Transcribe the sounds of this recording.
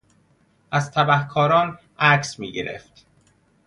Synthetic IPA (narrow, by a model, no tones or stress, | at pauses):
ʔæzt̪ʰæbæhkʰɒːɾɒːn | ʔæcʰsmḭːɟeɾḛft̪